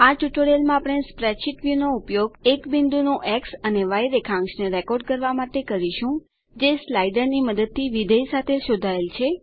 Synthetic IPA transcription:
at͡ʃuʈoɽelmãapɽ̃espɾɛʃiʈʋjunoupjoɡekbind̪unũʔɛksəneʋajɾekʰãŋksneɾekoɾɖkəɾʋamaʈekəɾiʃũ | d͡ʒeslajɖəɾniməd̪əd̪̚t̪ʰiʋid̪ʱəjsat̪ʰeʃod̪ʱaelt͡ʃʰe

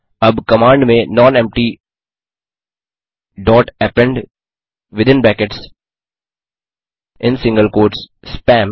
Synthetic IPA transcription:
ʌbkəmãːɳɖmẽnɔ̃ːnɛ̃mp̚ʈi | ɖɔːʈɛpɛ̃ɳɖ | ʋɪd̪ɪ̃nbɛkeʈs | ʔɪ̃nsɪ̃ŋɡəlkoːɾʈs | spɛ̃ːm

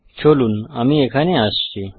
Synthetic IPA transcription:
t͡ɕʰolunamiekʰaneasːi

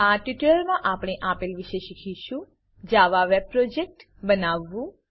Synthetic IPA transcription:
aʈiʈləɾmãʔapɳ̃eʔapilʋiʃeʃikʰiʃũ | d͡ʒaʋaʋeb̚pɾod͡ʒek̚ʈ | bənaʋːũ

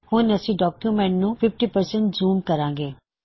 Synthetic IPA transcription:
hʊnɐsĩɖɔːkjumẽːɳʈnũfʰɪfʈipɐɾsə̃ɳʈzuːmkɐɾãːŋɡeː

